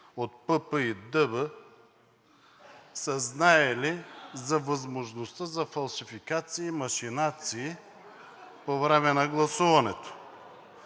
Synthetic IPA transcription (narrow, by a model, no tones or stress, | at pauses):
ot̪̚pɤpəid̪əbə | səznaɛlizɐvɐzmoʒnost̪əzɐfɐlˠʃifikat̪siːmɐʃinat̪siː | povɾɛmɛnɐɡlˠɐsuvɐnɛt̪o̥